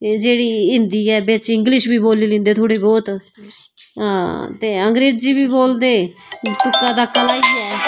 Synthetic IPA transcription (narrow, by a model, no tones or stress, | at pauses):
d͡ʒeːɽiːɦɪnd̪iːɛːbɪt͡ʃɪ̃ŋɡlɪʃbiːboːliːlɪ̃ːnd̪eːt̪ʰʊɽeːbɔːt̪ | t̪eːəŋɡɾeːd͡ʒd͡ʒiːbiːboːld̪eːt̪ʊkːãːd̪aːkəlaːiːɛː